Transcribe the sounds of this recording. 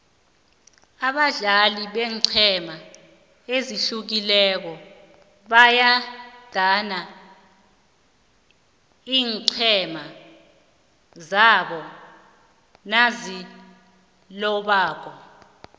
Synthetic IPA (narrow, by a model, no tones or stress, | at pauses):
aɓaɮaliɓɛːŋǀʰɛma | eziɬuk̬ilɛk̬ɔ | ɓajad̥ʱana | iːŋǀʰɛma | zaɓɔ | nazi | lɔɓaːk̬ɔ